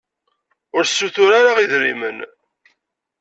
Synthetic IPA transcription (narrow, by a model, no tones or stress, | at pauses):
ʊɾsːuθʊɾaɾaʁiðɾḭmən